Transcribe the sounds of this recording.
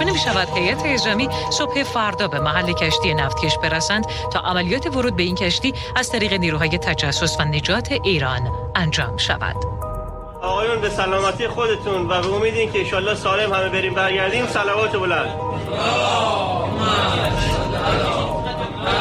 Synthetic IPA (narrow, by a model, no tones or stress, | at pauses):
nemiːʃævæd̪̥he̞jʔæt̪ʰeːzɒːmiːso̞b̥he̞fæɾd̪ɒːbe̞mæɦælːe̞cʰæʃt̪ije̞næft̪̚cʲʰe̞ʃb̥e̞ɾæsænd̪ | t̪ʰɒ̰ːʔæmælijɒːt̪ʰe̞voɾuːd̪̚be̞incʰæʃt̪iː | æz̥t̪ʰæɾiːɣe̞niːɾuːɦɒːje̞t̪ʰæd͡ʒæsːo̞svæne̞d͡ʒɒːt̪ʰe̞ʔiːɾɒ̰ːn | ænd͡ʒɒ̰ːmʃæ̰væ̰d̪̥ | ɒːɣɒːjunbe̞sælɒːmæt̪ʰiːjexod̪e̞t̪ʰunvæbeomiːd̪eiːncʰeenʃɒːlːɒːhsɒːle̞mhæme̞beɾiːmbæɾɡæɾd̪iːmsælævɒːt̪ʰebolænd̪